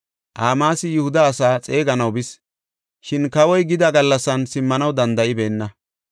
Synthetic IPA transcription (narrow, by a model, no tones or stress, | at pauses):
ʔaːmaːsɪjʊhʊd̪ɐːsaːt͡sʼe̞ːɡɐnɐwbɪs | ʃɪnkɐwɔjɡɪd̪ɐɡɐlːɐsːɐnsɪmːɐnɐwd̪ɐnd̪ɐʔɪbe̞ːnːɐ